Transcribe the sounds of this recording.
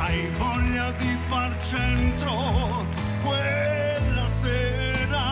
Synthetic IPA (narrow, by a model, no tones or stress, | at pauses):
ajvɔʎːad̪ifart͡ʃ | ɛnt̪ɾo | kwe | lːasɛː | ɾa